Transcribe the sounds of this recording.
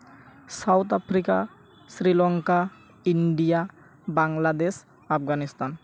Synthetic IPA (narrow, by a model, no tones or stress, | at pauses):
sawt̪apʰɾika̰ | sɾilɔŋka | iɳɖija | baŋlad̪es | apɡanist̪an